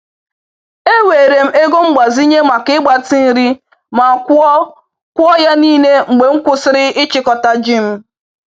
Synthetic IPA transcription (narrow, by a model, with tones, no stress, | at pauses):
e˦we˨ɾe˨m̩˦e˦ɡo˦ŋ͡m̩˦ɡ͡ba˨zi˦ɲe˦ma˨kɪ˦ɡ͡ba˨ti˦n̩˦ɾi˦ | ma˨˦ | kʷʊ˦ɔ˦ja˦niː˦ne˦ŋ͡m̩˨ɡ͡be˨ŋ̩˦kʷʊ˦sɪ˦ɾɪ˦ɪ˦t͡ʃɪ˦kɔ˨ta˨d͡ʒi˦m̩˦